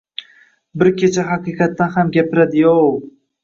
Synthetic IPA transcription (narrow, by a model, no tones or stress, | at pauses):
bɪɾkʲet͡ʃʰaɦɑqɨqʰɑt̪ːanhamɡʲapɪɾad̪ɪjow